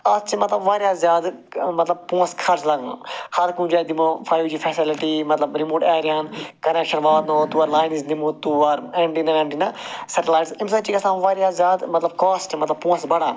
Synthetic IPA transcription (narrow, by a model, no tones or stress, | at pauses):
ɐst͡ʃimɐt̪lɐbʋaːɾjaːzjaːd̪mɐt̪lɐb̚pũːə̃skʰɐɾt͡ʃlɐɡãhɐɾkũːd͡ʒaːjd̪imofʰaːjud͡ʒiːfʰɛːsɪlɪʈimɐt̪lɐbɾɪmoːʈɛːɾjaːnkɐneːkʃənʋaːd̪noːt̪uːɐɾlaːɪniznɪmuːt̪uɐɾɛ̃ːɳɖinɐɛ̃ːɳɖinasɛʈɪlaːɪʈsɪmsaːt͡ʃiːkɐsãːmʋaːɾjaːzjaːd̪mɐt̪lɐb̚kaːsʈmɐt̪lɐbpũːə̃sbɐɽaːn